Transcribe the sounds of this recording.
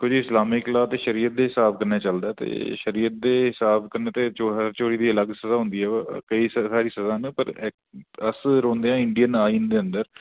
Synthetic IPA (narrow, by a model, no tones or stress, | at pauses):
kʊd͡ʒɪslaːmiklaːt̪eːʃəɾiːət̪̚d̪eːɦɪsaːbkəɾneːt͡ʃəld̪aːt̪ḛːʃəɾiːət̪̚d̪eːɦɪsaːbkəɾneːt̪eːt͡ʃoːt͡ʃoːɾiːd̪iːələɡsəzaːɦʊ̃nd̪iːɛːkəiːssaːɾiːsəzaːnəpəɾ | əsɾõːnd̪eːɦãːɪɳɖijənaːiːnd̪eːə̃nd̪əɾ